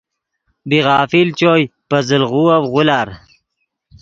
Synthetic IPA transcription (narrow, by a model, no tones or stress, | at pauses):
biʁɑːfilt͡ɕoːjpɐzəlʁuːɐwʁulaɾ